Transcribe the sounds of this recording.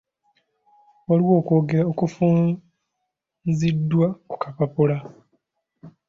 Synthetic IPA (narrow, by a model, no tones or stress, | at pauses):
waliwo̞ːkwo̞ːɡeɾaokufuː | nzidːwaku̥kapapula